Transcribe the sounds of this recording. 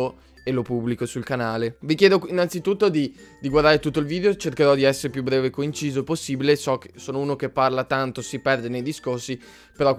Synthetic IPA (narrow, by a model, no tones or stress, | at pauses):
o | elopubːlikosulkanaːlevikjɛːd̪oinːant̪sit̪ut̪ːod̪id̪iɡward̪aːɾet̪ut̪ːoilviːd̪eot͡ʃerkeɾɔd̪iɛsːeɾepjubːɾɛːvekːoint͡ʃiːzoposːiːbilesɔkesoːnouːnok̟epːarlat̪ant̪osipɛrd̪enejd̪iskorsi | peɾɔ